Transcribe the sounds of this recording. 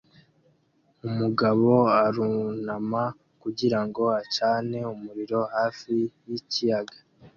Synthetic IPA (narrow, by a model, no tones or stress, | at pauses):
umuɡaβo̞aɾunama | kuɟiɾaŋɡo̞at͡ʃaːne̞umuɾiɾo̞haːfijicijaɡa